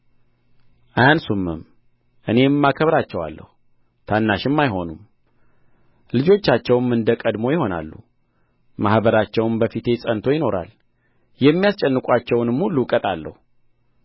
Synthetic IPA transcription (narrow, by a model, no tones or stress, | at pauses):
ʔaansumːɨm | ʔɨne̞mːakʰəβɾat͡ʃːɛwa̰lːə̰hu | t̪ʰanːaʃɪmːajɦo̞num | lɨd͡ʒo̞t͡ʃːat͡ʃːɛwmɨnd̪əkʼəd̪mo̞jɪho̞na̰lːṵ | mahbəɾat͡ʃːɛwmbəfit̪ʰe̞sʼənt̪ʰo̞jɪno̞ɾa̰l | jɛmːijast͡ʃʼɛnːɨkʼʷat͡ʃːɛwnɨmhulːukʼət̪ʼalːə̰hu